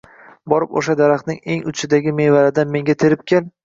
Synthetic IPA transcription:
bɒɾɪpo̰ʃad̪aɾaχt̪nɪŋe̞ŋʊ̰t͡ʃʰɪd̪aɡʲɪme̞jvaɾɪd̪anme̞ŋɡʲat̪ʰeɾɪp̚kʲan

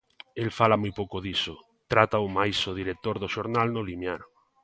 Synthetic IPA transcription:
elfalamujpowkoðiso | t̪ɾat̪aomajsoð̞iɾek̚t̪oɾðoʃoɾnalnolimjaɾo

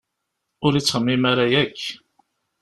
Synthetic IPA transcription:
ʊɾit͡sːʁəmːimaɾajækː

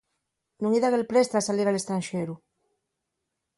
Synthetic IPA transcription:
nũŋiðaɣelpɾest̪asaliɾalest̪ɾanʃeɾu

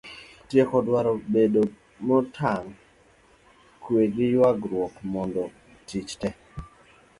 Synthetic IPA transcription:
tjekɔdwaɾɔbedo | mɔtʰaŋ | kweɡɪjwaɡɾwɔkmɔndɔ | tit͡ʃtɛ

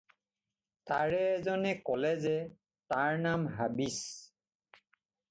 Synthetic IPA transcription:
taɹɛːzɔnɛkɔlɛzɛ | taɹnamɦabis

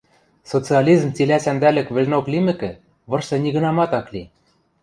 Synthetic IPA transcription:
sot͡sɨɑlʲizmt͡silʲæsænd̪ælɘ̆kβɘ̆lʲnoklimɘ̆kɘ̆ | βɤ̆rʃsɤ̆nʲiɣɤ̆nɑmɑt̪ɑklʲi

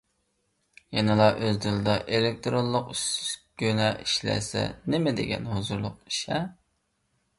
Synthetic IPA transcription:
jɛnɨlˠɑʔøzd̪ɪlˠɨd̪ɑʔelek̚ʲt̪ʰɾonlˠʊqysɡʲønɛʔiʃlæ̰sɛ̰nɪmɛd̪ḛɡʲɛ̰nhozuɾlˠʊq̚i̥ʃɛ

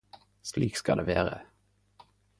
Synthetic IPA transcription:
sliːkskɑd̪eːʋeːʁə̰

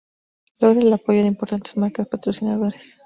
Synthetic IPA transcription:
lo̞ɣɾaelapo̞ʝo̞ðeimpo̞ɾt̪ant̪e̞zmaɾkapat̪ɾosinaðo̞ɾes

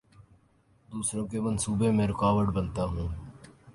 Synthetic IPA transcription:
d̪uːsɾõːkemənsuːbemẽːɾɪkaːʋəɖbənt̪aːɦũː

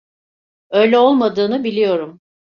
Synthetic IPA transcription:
ø̞jlʲɛo̞lˠmad̪ɯːnɯbilʲijo̞ɾum

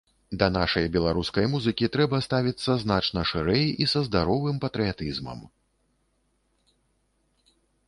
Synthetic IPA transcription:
d̪ɐnaʂɐjbʲɛlˠaɾuskɐjmuzɨkʲit̪ɾɛbɐst̪avʲit̪sːɐznat͡ʂnɐʂɨɾɛjisɐzd̪aɾɔvɨmpɐt̪ɾɨjat̪ɨzmɐ̰m

